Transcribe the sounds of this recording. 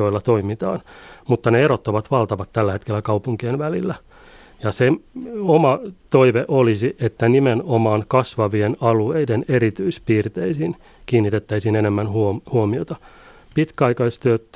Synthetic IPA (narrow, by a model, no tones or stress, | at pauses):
oilːɑt̪oimit̪ɑ̰ːnmut̪ːɑneeɾot̪ːoʋɑt̪ʋɑlt̪ɑʋɑt̪tːælːæhe̞t̪kelːækɑupuŋkienʋælilːæ | jɑseomɑt̪oiʋeʔolisiʔet̪ːænimenomɑːnkɑsʋɑʋienɑlueideneɾit̪yispiːrt̪eisiːn | kiːnːit̪et̪ːæisiːnenemːænhuhuomiot̪ɑ | pit̪kæɑikɑist̪øøt̪ː